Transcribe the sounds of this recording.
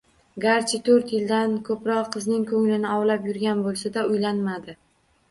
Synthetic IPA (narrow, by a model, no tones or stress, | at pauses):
ɡaɾt͡ʃʰɪt̪ʰɵɾt̪jɪld̪ankʰɵpɾɒqqɨznɪŋkʰɵŋlɪnɪɒwlapjʊɾɡʲanbolˠsad̪aʊjlanmad̪ɪ